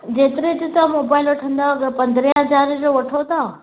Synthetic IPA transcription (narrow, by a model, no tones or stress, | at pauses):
d͡ʑeːt̪ɪɾed͡ʑit̪ɐmoːbaːɪlʋɐʈʰə̃nd̪aɡəɾpɐ̃nd̪ʱɾijãɦɐd͡ʑaːɾɪd͡ʑoʋɐʈʰot̪ʰa